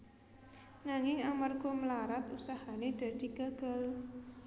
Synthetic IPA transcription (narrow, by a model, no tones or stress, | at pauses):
naŋɪŋamarɡ̥ɔ̤məlaɾat̪usahaned̪̥ä̤d̪̥i̤ɡ̥a̤ɡ̥a̤l